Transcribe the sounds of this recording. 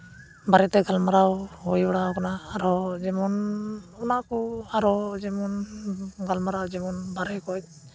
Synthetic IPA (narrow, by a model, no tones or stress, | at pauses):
baɾɛt̪ɛɡʱalmaɾawɦɔjbaɽakanaːɾɔd͡ʒɛmɔnunakɔaɾɔd͡ʒɛmɔnɡʱalmaɾawd͡ʒɛmɔnbaɾɛkɔj̚